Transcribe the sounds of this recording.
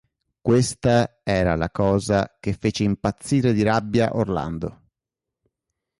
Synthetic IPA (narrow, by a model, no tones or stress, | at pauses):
kwest̪aɛːɾalakɔːzakefːeːt͡ʃeimpat̪sːiːɾed̪iɾabːjaʔorla̰nd̪o̰